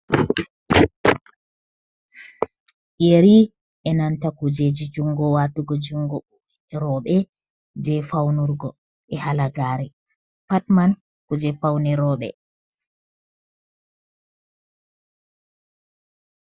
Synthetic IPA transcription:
ʔeɾi | ʔɛnantakud͡ʒed͡ʒid͡ʒuŋɡɔwaːtuɡɔd͡ʒuŋɡɔɓu | ɾɔɓɛ | d͡ʒɛfawnuɾɡɔ | ɛhalaɡaːɾɛ | patman | kud͡ʒɛfawnɛɾɔːɓɛ̰

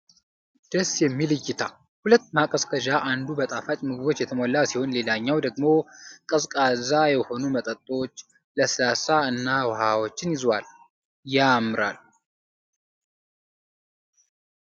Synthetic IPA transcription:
d̪̥əsjɛmːilɨjːɪt̪ʰa | hulət̪ːmakʼəskʰəʒaʔand̪ubət̪ʼafat͡ʃ̪ʼmɨɡɨβo̞t͡ʃːjɛt̪ʰəmolːasiho̞nle̞laɲːawd̪əɡmo̞kʼɨskʼazajɛho̞numət̪ʼət̪ʼːo̞t͡ʃː | ləsɨlasaɨnːawhawo̞t͡ʃːɪnjɪzwal | jamɨɾa̰l

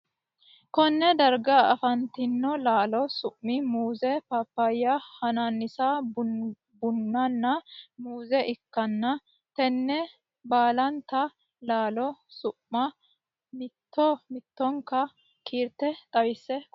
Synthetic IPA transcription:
kɔnːɛd̪ɐɾɡɐɐfɐnt̪ɪnːɔlaːlɔsʊʔmɪmuːzɛpapːajːɐhɐnanːɪsab | bʊnːɐnːɐmuːzɛʔɪkːɐnːɐ | t̪ɛnːɛ | baːlɐnt̪ɐ | laːlɔsʊʔmːɐ | mɪt̪ːɔmɪt̪ːɔŋkɐ | kʰiːɾt̪ːɛt̪ʼɐwɪsːɛ

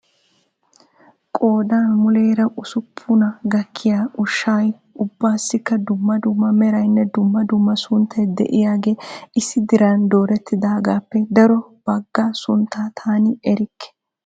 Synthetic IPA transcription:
kʼo̞ːd̪aːmʊleːɾɐʔʊsʊpʰːʊnɐɡɐkʰːɪjaːʊʃːaːj | ʊbːaːsːɪkːɐd̪ʊmːɐd̪ʊmːɐmɛɾɐjnːɛd̪ʊmːɐd̪ʊmːɐsʊnt̪ʰːɐjd̪ɛ̰ʔɪjaːɡe̞ːʔɪsːɪd̪ɪɾaːnd̪o̞ːɾɛt̪ːɪd̪aːɡaːpːɛd̪ɐɾɔb̥ɐɡːaːsʊnt̪ːaːt̪ʰaːnɪɛɾɪkːɛ̥

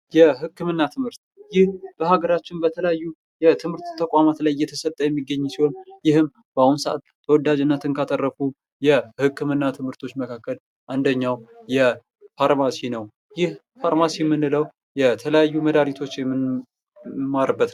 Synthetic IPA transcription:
jɛɦɨkːɨmɨnːat̪ʰɨmhɨɾt̪ | jɪhb̥əhaɡəɾat͡ʃːɪnbət̪ʰələjajːu | jɛt̪ʰɨmhɨɾt̪t̪ʰːəkʼamat̪lajːɛt̪ʰəsət̪ʼːəjɛmːiɡːəɲːsiho̞njɪhɨm | b̥əahunsəʔa̰t̪t̪ʰːəwɔd̪ad͡ʒɨnːət̪ʰɨnkʰat̪ʼərːəfu | jɛhɨkːɨmɨnːat̪ʰɨmhɨɾt̪ʰo̞t͡ʃːməkʰakːəl | ʔand̪əɲːawjɛ | faɾmasinəw | jɪh | faɾmasimːɨnːɨləw | jɛt̪ʰələjajːuməd̪aɾit̪ʰo̞t͡ʃːjɛmːɨn | maɾɨbːət̪

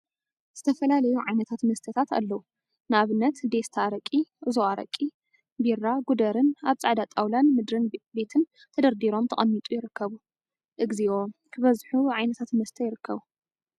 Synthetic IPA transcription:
z̥ɨt̪ʰɐfɐlalɐjuʕajnɐt̪ʰat̪mɐst̪ʰɐt̪ʰat̪a̰lːɐwu | nɨaβɨnːɐt̪d̪e̞st̪ʰaɾɐkʼiʔɨzoaɾɐ̰kʼːi | birːaɡud̪ɐɾɨnaβt͡sʼaʕd̪at̪ʼawlanmɨd̪ɾɨnbe̞t̪ʰɨn | t̪ʰɐd̪ɐɾd̪iɾo̞mt̪ʰɐχʼɐmːit̪ʼujɪɾɨkːɐβu | ʔɨɡziʔo̞kʰɨβɐzħuʕajnɐt̪ʰat̪mɐst̪ʰɐjɪɾɨkʰːɐβu

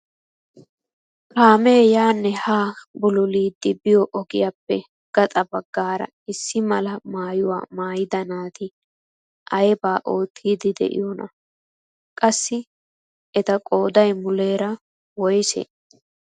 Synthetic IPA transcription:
kaːmeːjaːnːɛhaːbʊlʊliːd̪ːɪbɪjɔʔɔɡɪjapːɛ | ɡ̥ɐt̪ʼɐbɐɡːaːɾɐ̰ | ɪsːɪmɐlɐmaːjʊwa̰ːmaːjɪd̪ɐnaːt̪ɪ | ʔɐjɛbaːʔo̞ːt̪ʰːiːd̪ɪd̪ɛ̰ʔɪ̰jɔnɐ̰ | kʼɐsːɪ | ʔɛt̪ɐkʼoːd̪ɐjmʊleːɾɐ | wɔjsḛː

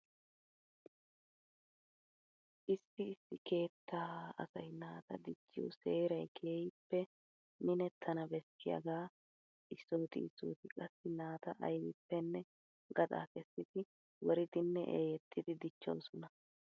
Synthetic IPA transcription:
ʔɪsːɪɪsːɪke̞ːt̪ʰːaːɐ̰sɐjnaːt̪ɐd̪ɪt͡ʃːɪjo̰seːɾɐjkʰeːjpːɛ | mɪnɛt̪ʰːɐnɐbɛsːɪjɐ̰ɡaː | ʔɪsːoːt̪ɪ̰ɪsːo̰ːt̪ɪkʼɐsːɪnaːt̪ɐʔɐ̰jɪpːɛnːɛ | ɡɐd̪ʼa̰ːkʼɛsːɪd̪ɪ | wɔɾɪd̪ɪnːɛʔeːjɛt̪ʰːɪd̪ɪd̪ɪt͡ʃːo̰ːsɔnɐ

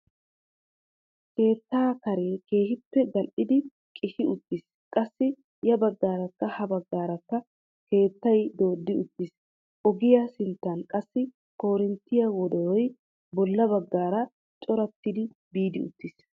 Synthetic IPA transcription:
ke̞ːt̪ːaːkɐɾe̞ːke̞ːhɪpːɛɡɐlʔɪd̪ɪ | kʼɪʃɪʊt̪ːɪs | kʼɐsːɪ | jɐbɐɡːaːɾɐkːɐhɐbɐɡːaːɾɐkːɐ | ke̞ːt̪ːɐjd̪o̞ːd̪ːɪʊt̪ːɪs | ʔɔɡɪjɐsɪnt̪ːɐnkʼɐsːɪ | ko̞ːɾɪnt̪ːɪjɐwɔd̪ɔɾɔj | bɔlːɐbɐɡːaːɾɐ | t͡ʃʼɔɾɐt̪ːɪd̪ɪ | biːd̪ɪʊ̰t̪ːɪːs

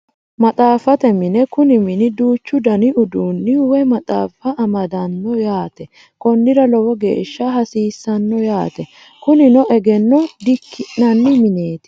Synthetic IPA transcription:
mɐt̪ʼaːfɐt̪ɛmɪnɛkʊnɪmɪnɪd̪uːt͡ʃːʊd̪ɐnɪʔʊd̪uːnːɪʊwɛmɐt̪ʼa̰ːfɐɐmɐd̪ɐnːɔjaːt̪ɛ | kɔnːɪɾɐlɔwɔɡḛːʃːɐɦɐsiːsːɐnːɔjaːt̪ɛ | kʊnɪnɔʔɛɡɛnːɔd̪ɪkʰːɪʔnɐnːɪmɪneːt̪ɪ̥

